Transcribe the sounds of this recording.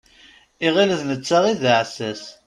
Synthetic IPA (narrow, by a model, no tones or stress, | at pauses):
iʁiləðnət͡sːaʁiðʕsæs